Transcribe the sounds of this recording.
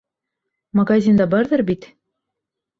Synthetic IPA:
mɐɡazʲind̪ɑbɑɾðɤɾbit̪

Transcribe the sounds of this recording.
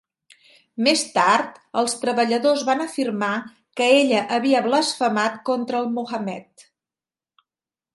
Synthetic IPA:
mest̪aɾt̪əlˠst̪ɾəβəʎəðozβanəfirma | kəeʎəʔəβiəβləsfəmat̪kont̪ɾəːlˠmuxəmɛt̪

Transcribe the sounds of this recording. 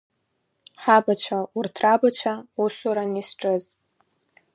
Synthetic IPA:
ħabat͡ɕʷʰaurtʰrabat͡ɕʷʰausuɾanisʈ͡ʂʼɨz

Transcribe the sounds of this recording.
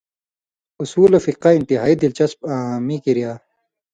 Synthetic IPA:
usuːlofiqaint̪iɦaːid̪ilt͡ɕɐsbaːmikiɾijaː

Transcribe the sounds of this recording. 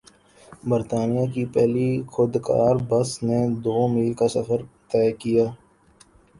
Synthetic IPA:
bəɾt̪aːnijaːkipɛɦlixʊd̪ka̰ːɾbəsned̪oːmiːlkasəfəɾt̪ɛːkijaː

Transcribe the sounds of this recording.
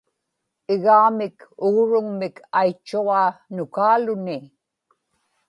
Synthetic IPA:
ɪɣaːmɪkʊɣɻʊŋmɪkʰajt͡ʃːuʁaːnʊkaːlʊnɪ

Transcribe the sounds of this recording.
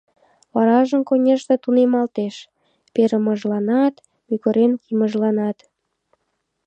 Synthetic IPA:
βɑɾɑʒəmkonʲeʃt̪et̪unemɑlt̪eʃ | peɾəməʒlɑnɑt̪ | mykəɾenkiməʒlɑnɑt̪

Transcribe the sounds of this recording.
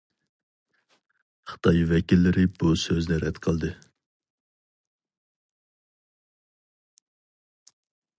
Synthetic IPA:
χə̥t̪ʰɑjvɛkʲilːɪɾɪbusøznɪɾɛd̪qʰəlˠd̪ɨ

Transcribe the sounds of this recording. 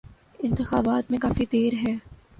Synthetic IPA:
ɪ̃nt̪ɪxa̰ːbaːt̪mẽkaːfid̪eːɾɦɛː

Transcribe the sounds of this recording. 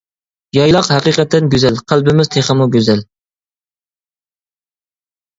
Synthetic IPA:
jɑjlˠɑqhæqiqɛt̪ʰːɛnɡʲøzɛlqʰælbɪmɪzt̪ʰeχəmuɡʲøzɛl

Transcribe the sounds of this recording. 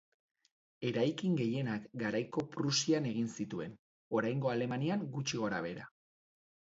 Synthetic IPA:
e̞ɾajkiŋɡe̞je̞nakɡaɾajko̞pɾusiane̞ɣ̞insit̪ue̞n | o̞ɾajŋɡo̞ale̞maniaŋɡut͡ʃiɣ̞o̞ɾaβe̞ɾa̰

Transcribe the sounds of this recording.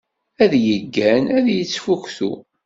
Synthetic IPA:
æðjəɡːænæðjət͡sːfukθṵ

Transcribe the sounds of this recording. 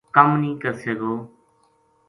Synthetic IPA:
kəmnĩːkəɾseːɡoː

